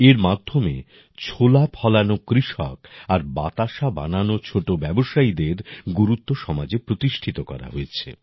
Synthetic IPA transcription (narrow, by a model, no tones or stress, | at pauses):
eɾmad̪ʱːome | t͡ɕʰolapʰɔlanokɾiʃɔ̰kaɾba̰t̪aʃaba̰nanot͡ɕʰoʈobɛboʃaid̪eɾɡuɾut̪ːoʃɔmad͡ʑepɾot̪iʃʈʰit̪okɔ̰ɾa̰ɦoet͡ɕʰḛ